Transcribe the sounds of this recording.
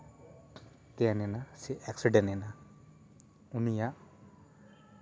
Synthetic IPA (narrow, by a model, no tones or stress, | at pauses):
t̪ɛjanɛnasiʔɛksiɖenɛna | unijaʔ